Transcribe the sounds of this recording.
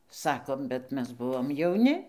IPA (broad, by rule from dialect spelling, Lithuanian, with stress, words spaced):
ˈsɑːkoːm bʲɛt ˈmʲɛs ˈbʊʋoːm jɛʊˈnʲɪ